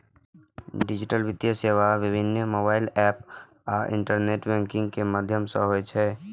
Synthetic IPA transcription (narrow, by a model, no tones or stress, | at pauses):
ɖid͡ʒiʈəlbid̪jəseʋaʋibʱinːəmoːbaːɪlɛːp | aːʔɪ̰ɳʈəɾneːʈbɛ̃ːŋkɪ̃ŋɡkeməd̪ʱjəmsə̃ɦoɛt͡ʃʰɛ